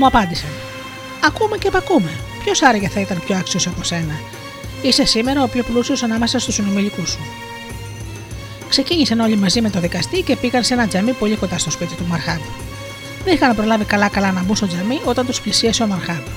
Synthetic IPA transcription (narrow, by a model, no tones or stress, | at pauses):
muɐpɐnd̪isɐn | ɐkume̞cepɐkume̞ | pço̞sɐɾɐʝɐθɐit̪ɐnpço̞ɐksio̞siɐpo̞se̞nɐ | ise̞sime̞ɾɐopçoplusio̞sɐnɐme̞sɐst̪usino̞milikusu | kse̞ciɲisɐno̞ʎimɐzime̞t̪o̞ðikɐst̪ice̞piɣɐnse̞nɐd͡zɐmipo̞ʎiko̞nd̪ɐst̪o̞spit̪it̪umɐɾxɐn | ðenixɐnpɾo̞lɐvikɐlɐkɐlɐnɐbust̪o̞d͡zɐmio̞t̪ɐnt̪usplisiɐseo̞mɐɾxɐn